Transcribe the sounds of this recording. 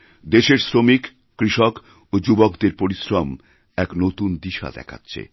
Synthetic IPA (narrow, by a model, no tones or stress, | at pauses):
d̪eʃeɾsɾomikː | ɾiʃok | od͡ʑubokd̪eɾpoɾisɾom | ɛknot̪und̪iʃa̰d̪ɛ̰kʰa̰tːɕʰḛ